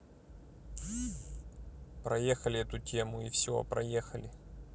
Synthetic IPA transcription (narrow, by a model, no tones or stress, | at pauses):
pɾɐjexəlʲɪɛt̪ʊtʲemʊifsʲo̰pɾɐ̰jexəlʲɪ